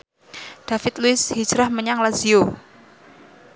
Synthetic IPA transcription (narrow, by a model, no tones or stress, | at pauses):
d̥afɪt̪luɪshi̥d͡ʒɾahməɲaŋlazio